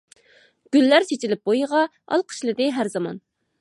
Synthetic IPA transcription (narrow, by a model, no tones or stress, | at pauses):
ɡ̥ʲylːæɾt͡ʃʰet͡ʃʰilɪp̚bojəʁɑ | ɑ̰lˠqʰə̥ʃlˠɨd̪ɪɦæɾzɑmɑ̰n